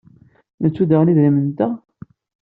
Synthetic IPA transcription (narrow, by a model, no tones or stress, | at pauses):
nət͡sːuðaʁniðɾimənt̪æ